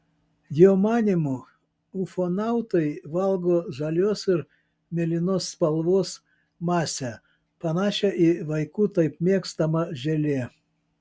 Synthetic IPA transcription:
joːmɑːnʲɪmu | ʊfoːnɑˑʊt̪ɐɪʋɐlˠɡoːʒɐlʲoːsɪɾ | mʲɛlʲɪnoːsːpɐlˠʋoːs | mɑːsʲæ | pɐnɑːʃʲɛʔiʋɐɪkuːt̪ɐɪpmʲeɛkst̪ɐmɐʒʲɛlʲeː

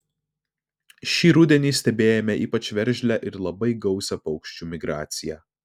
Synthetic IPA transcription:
ʃʲiːɾʊd̪ʲɛnʲiːsʲt̪ʲɛbʲeːjɛmʲɛiːpɐt͡ʃʲʋʲɛɾʲˑʒʲlʲæʔɪɾlˠɐbɐɪɡɒʊsʲɛpɒʊkʃʲt͡ʃʲuːmʲɪɡɾɑːt̪sʲɪjæː

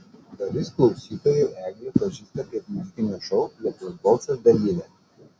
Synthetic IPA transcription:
d̪ɐlʲɪsklˠɒʊsʲiːt̪oːjɛʔæːɡʲiɛːpɐʒʲiːst̪ɐt̪ʲiɛpmʊzʲɪkʲɪnʲuːʃɔʊlʲiɛt̪ɐzbɔlˠsɐsd̪ɐlʲiːʋʲɛ

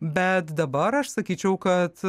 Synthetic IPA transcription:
bʲɛt̪d̪ɐbɐɾɐʃsɐkʲiːt͡ʃʲɛʊkɐt̪

